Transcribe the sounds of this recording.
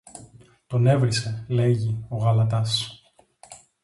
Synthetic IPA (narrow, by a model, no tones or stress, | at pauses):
t̪o̞ne̞vɾise̞le̞ʝio̞ɣɐlɐt̪̬ɐs